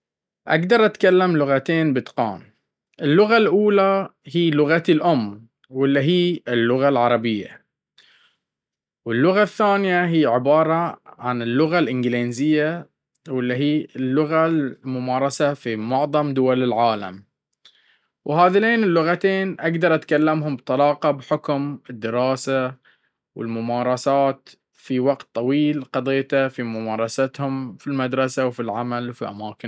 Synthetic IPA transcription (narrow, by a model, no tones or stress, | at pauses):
ʔa̰ɡd̪ɑɾˤʔat̪kalːamlʊɣat̪eːnbɪt̪qɑ̰ːn | ʔɪlːʊɣalʔuːlahiːlʊɣat̪ilʔʊmː | wɪlːiɦiːɪlːʊɣalʕɑɾˤɑbɪjːa̰ | wɪlːʊɣaθːaːnjaɦiːʕɪbɑːɾˤɑʕanɪlːʊɣalʔɪnɡɪleːnzɪjːa | wɪlːiɦiːɪlːʊɣalmʊmɑːɾˤɑsafimʊʕðˤɑmd̪ʊwalɪlʕaːla̰m | whaːðɪleːnɪlːʊɣat̪eːnʔaɡd̪ɑɾˤʔat̪kalːamhʊmbt̪ˤɑlɑːqɑbħʊkmɪd̪ːɪɾɑːsa | wɪ̰lmʊmɑːɾˤɑsaːt̪ | fiwaɡt̪ˤːɑwiːlqɑd̪ˤɪjːt̪afimʊmɑːɾˤɑsat̪hʊmfilmad̪ɾˤɑsawfilʕamalwfiʔa̰maːkɪ